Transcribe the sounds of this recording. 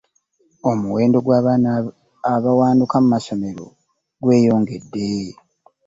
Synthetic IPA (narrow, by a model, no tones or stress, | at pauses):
o̞muwe̞ːndo̞ɡwaːana | aβawaːndukamumaso̞me̞ɾo̞̰ | ɡwe̞ːjo̞ːŋɡe̞dːe̞